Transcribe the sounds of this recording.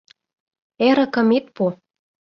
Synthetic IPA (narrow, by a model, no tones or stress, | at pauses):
eɾɤ̆kɤ̆met̪̚po